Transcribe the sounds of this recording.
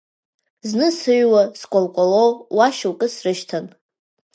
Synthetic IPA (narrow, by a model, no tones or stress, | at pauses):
znɨsɨɥwaskʷʼolkʷʼalowwaʃlkʼɨsrɨʃtʰan